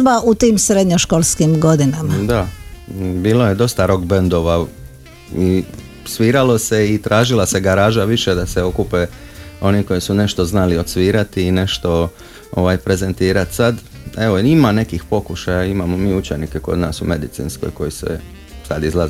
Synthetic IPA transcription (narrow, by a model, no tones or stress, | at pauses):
baʔut̪iːmsɾed̪ɲoʃkolˠskimɡo̞d̪inamad̪a | biːloje̞d̪o̞st̪aɾo̞ɡbend̪o̞ʋa | i | sʋiːɾalo̞se̞it̪ɾʔaːʒilase̞ɡaɾaːʒaʋiʃed̪aseo̞kupeo̞niko̞jisune̞ʃt̪o̞znaliot̪sʋiːɾat̪iːne̞ʃt̪o̞ | o̞̰ʋajpɾe̞ze̞nt̪iːɾat̪sad̪ | e̞ʋoimane̞kixpo̞kuʃajaimamo̞miːut͡ʃenikeko̞̰d̪naːsume̞d̪it̪sḭːnsko̞̰jko̞jisḛ | sad̪izlˠaze